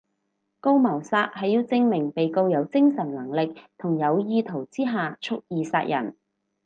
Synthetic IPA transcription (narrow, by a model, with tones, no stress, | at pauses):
ko˥wmɐ˨˩wsaː˧t̚hɐ˨jiː˧wt͡sɪ˥ŋmɪ˨˩ŋpe˨jko˧wjɐ˨˧wt͡sɪ˥ŋsɐ˨˩nlɐ˨˩ŋlɪ˨k̚t̪ʰʊ˨˩ŋjɐ˨˧wjiː˧t̪ʰo˨˩wt͡siː˥ɦaː˨t͡ʃʰʊ˥k̚jiː˨sa̰ː˧˥t̚jʔɐ̰˨˩n